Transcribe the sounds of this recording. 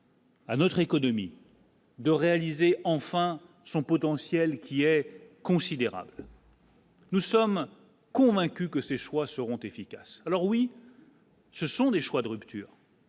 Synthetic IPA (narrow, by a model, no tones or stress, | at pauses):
anɔt̪χekɔnɔmḭ | d̪əʁealizeʔɑ̃fɛ̃ | sɔ̃pɔt̪ɑ̃sjɛlkʲiɛkɔ̃sid̪eʁa̰bl | nusɔm | kɔ̃vɛ̃kʲykəseʃwasəʁɔ̃t̪efikʲasalɔʁwi | səsɔ̃d̪eʃwad̪əʁypt̪ʰyːʁ